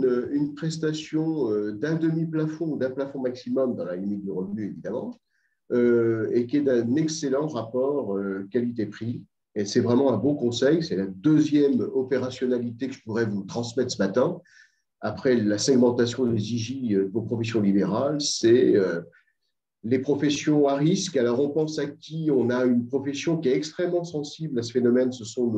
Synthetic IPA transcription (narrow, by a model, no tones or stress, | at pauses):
nøynpχɛst̪asjɔ̃ød̪ɛ̃d̪əmiplafɔ̃ud̪ɛ̃plafɔ̃maksimɔmd̪ɑ̃lalimit̪̚d̪yʁəvnyevid̪amɑ̰̃ | øekʲiɛd̪ɛ̃nɛkselɑ̃ʁapɔʁøkalit̪epχi | esɛvʁɛmɑ̃ɛ̃bɔ̃kɔ̃sɛjsɛlad̪øzjɛmɔpeʁasjɔnalit̪ekəʒə̥puʁɛvut̪χɑ̃smɛt̪χsəmat̪ɛ̃ | apχɛlasɛɡmɑ̃t̪asjɔ̃d̪eziʒiød̪əvopχɔfɛsjɔ̃libeʁalsɛø | lepχɔfɛsjɔ̃aʁiskalɔʁɔ̃pɑ̃sakʲʰiɔ̃naynpχɔfɛsjɔ̃kʲiɛt̪ɛkst̪χɛmːɑ̃sɑ̃siblasə̥fenɔmɛnsəsɔ̃n